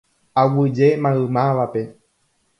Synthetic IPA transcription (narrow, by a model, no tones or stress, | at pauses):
awɨd͡ʒemãɨmãʋape̞